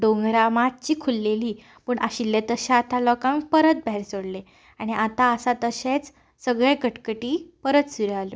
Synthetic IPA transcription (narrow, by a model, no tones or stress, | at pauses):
ɖõŋɡɾamat̪̚t͡ɕiːkʰulːeliː | pəɳʔaɕilːet̪əɕaːt̪alɔkãŋk̚pəɾət̪̚bʱaeɾsoɽle | aɽ̃iʔat̪aəsat̪əɕet͡s | səɡɭekəʈkəʈiːpəɾət̪suɾalo